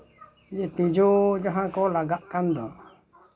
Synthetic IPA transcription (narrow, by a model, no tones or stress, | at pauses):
d͡ʒit̪id͡ʒud͡ʒaɦãkolaɡaʔkand̪ɔ